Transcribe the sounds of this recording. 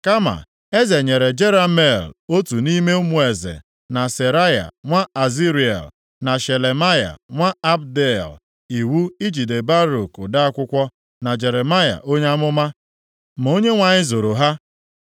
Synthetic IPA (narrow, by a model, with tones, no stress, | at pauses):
ka˦ma̰˨ | e˦ze˨ɲe˨ɾe˨d͡ʒe˦ɾa˦me˦˨lo˦tu˨ni˦me˦ʊ˦mu˨˦e˨zḛ˨ | na˨se˨ɾa˦ja̰˨ŋʷa˦a˨zi˦ɾi˨ḛ˨l | na˨ʃe˨le˨ma˦ja̰˨ŋʷa˦a˦b̚de˦˨l | i˨wu˦i˦d͡ʒi˨de˨ba˦ɾo˨kʊ˨da˦a˦kʷʊ˦kʷɔ˦ | na˨d͡ʒe˨ɾe˨ma˦ja̰˨ʔo˦ɲ˦a˦mʊ˦ma˦ | m̩˨o˦ɲe˦ŋʷa˨ɲɪ˦zo˨ɾo˨ɦa˦